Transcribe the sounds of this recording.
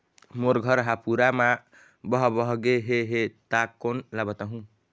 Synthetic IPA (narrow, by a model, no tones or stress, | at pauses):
moɾɡʱʌɾɦapuɾama | bʌɦbʌɦɡeɦeɦet̪akːonlabət̪aɦũ